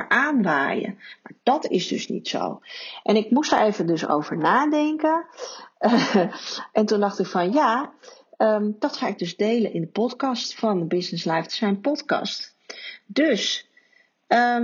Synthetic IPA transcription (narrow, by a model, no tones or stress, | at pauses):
ʔaːnʋa̰ːjə̰ma̰ːd̥ɑtɪ̰sdɵ̰snḭtso̰wʔɛnɪkmustə̰ɹejvəndɵso̰wvəɹnaːdɛŋkən | ʔɛntundɑχtɪkfɑnja | əmd̥ɑtχaːɪɡ̚dɵzdejlənʔɪndəpɔtkɑstfɑndəbɪsnɪslɛjftsɛjnpɔtkɑ̰st | dɵs | ə